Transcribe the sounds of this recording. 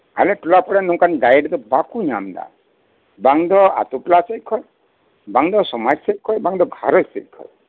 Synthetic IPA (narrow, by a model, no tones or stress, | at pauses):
a̰leʈulapɔɽenɔ̃kanɡajɖd̪ɔbakuɲamd̪a̰ | baŋd̪ɔa̰t̪uplasejkʰɔj | baŋd̪ɔsɔmaɾsejkʰːɔjbaŋd̪ɔɡʱaɾɔsḛjkʰːɔ̰j